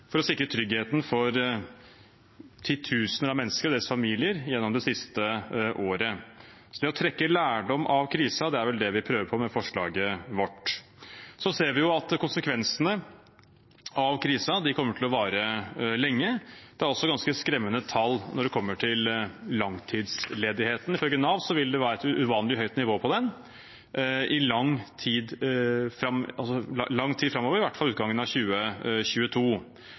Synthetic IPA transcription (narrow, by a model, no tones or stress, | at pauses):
fɔɾɔsɪkɾət̪ʰɾʏɡheːt̪nfɔɾ | t̪ʰiːt̪ʰʉːsənəɾɑmɛnːəskəɾd̪eːɾəsfɑmiːlɪəɾjɛnːɔmd̪ɛsɪst̪əʔoːɾə | sɔd̪ɛɔt̪ʰɾɛkːəlæːɖɔmʔɑʋkʰɾiːsɑd̪ɛæɾʋɛld̪ɛʋɪpʰɾøːʋəɾpʰɔmɛfɔʂɭɑ̰ːɡəʋɔʈː | sɔseːɾʋɪjʊɑt̪kʊnsəkʰʋɛnsənə | ɑʋkʰɾiːsɑd̪ɪkʰɔmːəʈʰɪlɔʋɑːɾəlɛŋːəd̪̥ɛæɾɔlsɔɡɑnskəskɾɛmːənət̪ʰɑlːnɔɖɛkʰɔmːəʈʰɪllɑŋt̪ʰiːd̪sleːd̪ɪheːt̪ən̩ɪfœlɡənɑʋsɔʋɪld̪ɛʋæːɾɛt̪ʔʉʋɑːnlɪɦœʏt̪nɪʋoːpʰɔd̪ɛn | ɪlɑŋt̪ʰiːd̪fɾɑmɑ̰lsɔlɑŋːt̪ʰiːd̪fɾɑmːɔːʋəɾɪʋæʈfɑlʉːt̪̚ɡɑŋːənɑʋçʉːəɕʉːət̪ʰuː